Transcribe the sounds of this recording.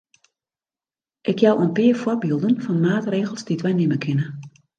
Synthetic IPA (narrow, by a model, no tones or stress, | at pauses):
ʔɪkjawʔo̰npɪːərfɔrbiːlˠdənfɔnmaːtreːɣəlˠzditʋɛjnɪməkʰɪnə